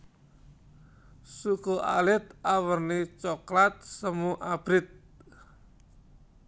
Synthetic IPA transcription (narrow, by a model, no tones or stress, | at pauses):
sukoʔa̰lɪt̪̚awərnit͡ʃɔklat̪̚səmuʔab̥ɾɪt̪̚